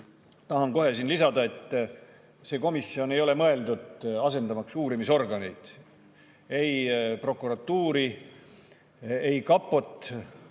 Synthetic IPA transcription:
t̪ɑɦɑnko̞ɦe̞sinlisɑd̪ɑe̞t̪ː | se̞ːko̞misːio̞ne̞jo̞le̞mɤe̞ld̪ud̪̥ɑse̞nd̪ɑmɑksuːɾimiso̞rɡɑnijd̪̥ | e̞jpro̞kːˑuɾɑt̪ːuːɾi | ejkɑpːˑo̞t̪ːˑ

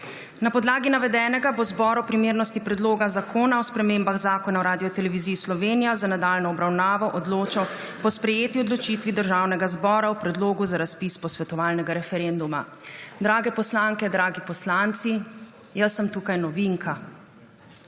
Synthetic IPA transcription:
napɔd̪laːɡinaʋɛd̪ɛːnɛɡabozbɔːɾɔpɾimeːɾnɔst̪ipɾɛd̪loːɡazakʰoːnaɔspɾɛmeːmbaɣzaːkɔnawɾaːd̪ijɔt̪ɛlɛʋiziːslɔʋeːnijazanad̪aːlnɔːbɾawnaːʋɔʔɔd̪loːt͡ʃaw | pɔspɾɛjeːt̪iɔd̪lɔt͡ʃiːt̪ʋid̪əɾʒaːwnɛɡazbɔːɾawpɾɛd̪loːɡuzaɾaspispɔsʋɛt̪ɔʋaːlnɛɡaɾɛfɛɾend̪uma | d̪ɾaːɡɛpɔslaŋkɛd̪ɾaːɡipɔslant̪si | jasːəmt̪uːkajnɔʋiŋkʰa

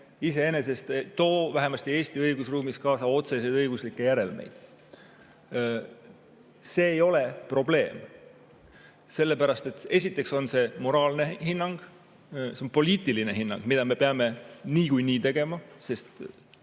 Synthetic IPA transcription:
ise̞e̞nese̞st̪et̪o̞ːvæɦe̞mɑst̪ie̞ːst̪iɤjɡ̥usruːmiskɑːsɑo̞t̪se̞s̬ejd̪ɤjɡ̥uslikːˑe̞jæɾe̞lme̞̰jd̪̥ | se̞ːjo̞le̞pro̞ble̞ːm | se̞lːe̞pæɾɑst̪e̞t̪ːˑe̞s̬ʲit̪ːˑe̞kso̞nse̞mo̞ɾɑːlnehinːɑŋɡ̥ | seonpo̞liːt̪ˑiline̞ɦinːɑ̰ŋɡ̥mid̪̥ɑme̞pe̞ɑme̞niːkujniːt̪e̞ɡ̥e̞mɑse̞st̪

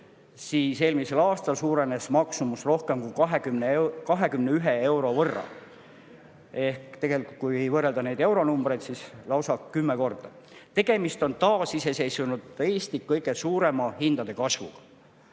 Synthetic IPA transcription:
siːse̞ːlmise̞lɑːst̪ɑlsuːɾe̞ne̞smɑksumusro̞hke̞mkujkɑɦekymnekɑɦe̞kymne̞yɦee̞wɾo̞vɤrːɑ̰ | e̞hkt̪e̞ɡ̥e̞likˑult̪̚kuje̞jvɤrːe̞ld̪ɑne̞ːd̪e̞wɾo̞numb̥re̞jd̪̥sislɑwsɑkkːymːeko̞rd̪̥ɑt̪e̞ɡ̥e̞mist̪o̞nt̪ɑːsise̞se̞jsunud̪̥e̞ːsʲt̪ikːɤjɡ̥e̞suːɾe̞mɑhind̪̥ɑd̪̥e̞kɑsvṵɡ̥ɑ̥

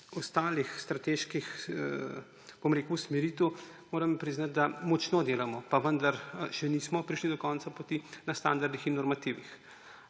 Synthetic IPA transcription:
ɔst̪aːlixst̪ɾat̪eʃkix | b̥omɾeːkusmɛɾiːt̪umoːɾɐmpɾiznat̪̚d̪amɔt͡ʃnod̪eːlamɔpaʋənd̪aɾʃɛnismɔpɾiʃlid̪ɔkɔnsapɔt̪inast̪and̪aɾd̪ixinːɔɾmat̪iːʋix

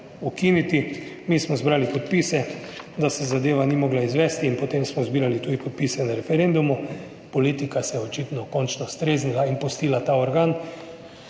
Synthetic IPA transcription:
ukiːnit̪imiːsmɔzbɾaːlipɔt̪piːsɛd̪asɛzad̪eːʋanimɔːɡlaizʋɛst̪iːnpɔt̪eːmsmɔzbiːɾalit̪uːd̪ipɔt̪̚piːsɛnaɾɛfɛɾend̪umu | pɔliːt̪ikasɛjɛɔt͡ʃiːt̪nɔkɔnt͡ʃnɔst̪ɾeːznilainpust̪iːlat̪aɔɾɡaːn

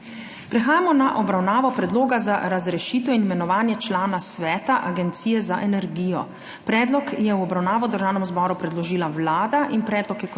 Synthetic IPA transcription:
pɾɛxaːjamɔnaʔɔbɾawnaːʋɔpɾɛd̪loːɡazaɾazɾɛʃiːt̪ɔinimɛnɔʋaːnjɛt͡ʃlaːnasʋɛːt̪aʔaɡɛnt̪siːjɛzaʔɛnɛɾɡiːjɔ | pɾɛːd̪lɔkjɛwɔbɾawnaːʋɔd̪əɾʒaːwnɛmzbɔɾupɾɛd̪lɔʒiːlawlaːd̪aʔinpɾɛːd̪lɔkjɛ

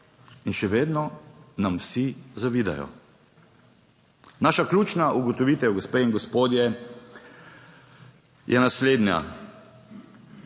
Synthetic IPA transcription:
inʃɛʋeːd̪nɔnamwsizaʋiːd̪a̰jɔ̰ | naːʃaklʲuːt͡ʃnaʔuɡɔt̪ɔʋiːt̪ɛwɡɔspeːiŋɡɔspoːd̪jɛ | jʔɛnasleːd̪nja̰

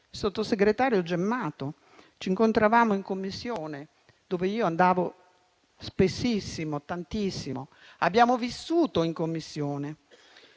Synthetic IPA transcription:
sot̪ːoseɡɾet̪aːɾjod͡ʒɛmːaːt̪o | t͡ʃiŋkont̪ɾavaːmoiŋkomːisːjoːne | d̪oːveiːoand̪aːvo | spesːisːimot̪ant̪isːimo | abjaːmovisːuːt̪oiŋkomːisːjoːne

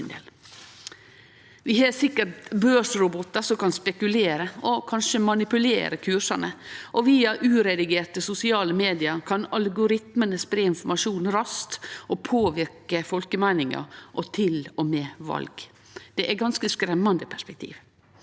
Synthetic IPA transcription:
nd̪ḛːl | ʋɪhɑːsɪkːəʈbøːsɾʊbɔt̪ːɑsɔmkɑnspɛkʉleːɾəɔkʰɑnʂəmɑnɪpʉlḛːɾəkʰʉʂɑnəʔɔʋiːɑʔʉːɾɛd̪ɪɡeːʈəsʊsɪɑːləmeːd̪ɪɑkʰɑnɑlɡʊɾɪt̪mənəspɾeːɪnfɔmɑʂuːnɾɑst̪ʔɔpʰoːʋɪɾkəfɔlkəmæɪnɪŋɑ̰ʔɔt̪ʰɪlɔmɛːʋɑ̰lɡ | d̪̥ɛʔæɡɑnskəskɾɛmːɑnd̪əpʰæʂpɛk̚t̪ʰḭːʋ

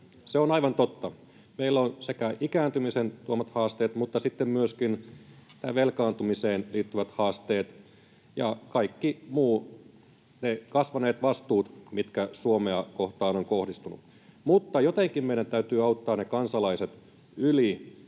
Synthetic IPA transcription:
seonɑiʋɑnt̪ot̪ːɑ | meilːonsekæʔikæːnt̪ymisent̪uomɑt̪hɑːst̪eːt̪mut̪ːɑsit̪ːemmyøskint̪æ̰ʋelkɑːnt̪umiseːnliːt̪ːyʋæt̪hɑːst̪eːt̪ | jɑkɑikːimuː | nekɑsʋɑneːt̪ʋɑst̪uːt̪mit̪kæsuomeɑkoht̪ɑːnoŋkohdist̪unṵ | mut̪ːɑjot̪eŋkimmeiɾænt̪æyt̪yːɑut̪ːɑːnekɑnsɑlɑiset̪ | yli

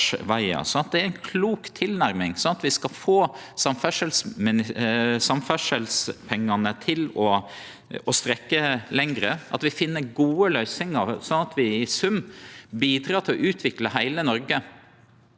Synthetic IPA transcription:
ʋæɪɑ̰sɔnɑt̪̚d̪ɛæɾæɪnkʰluːkt̪ʰːɪlnæɾmɪŋsɔnɑt̪ʋɪskɑlfoːsɑmfœʂəlsmɪnɪsɑmfœʂəlspʰɛŋːɑnət̪ʰɪlɔ | ɔst̪ɾɛkːəlɛŋɾəʔɑ̰t̪ʋɪfɪnːəɾɡuːəlœʏsɪŋəɾsɔnɑt̪ʰʋɪɪsʉmbiːd̪ɾɑːt̪ʰɪlɔʔʉːt̪ʰʋɪkləɦæɪlənɔɾɡə

